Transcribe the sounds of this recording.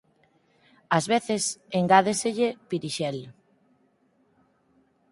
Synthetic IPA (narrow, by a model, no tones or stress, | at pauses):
azβeθeseŋɡað̞eseʎepiɾiʃɛl